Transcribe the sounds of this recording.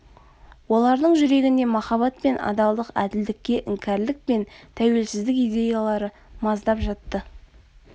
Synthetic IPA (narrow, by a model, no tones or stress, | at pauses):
wo̞lˠɑɾd̪əɴʒʏɾe̞ɡʲɪnd̪e̞mɑχɑβɑt̪̚pe̞nɑ̰d̪ɑlˠd̪əqæ̰d̪ɪld̪ɪkʲːe̞ʔɪŋkʲʰæɾlɪk̚pe̞nt̪ʰæwe̞lsɪzd̪ɪkijd̪ʲe̞jalˠɑɾə | mɑzd̪ɑpʒɑt̪ːə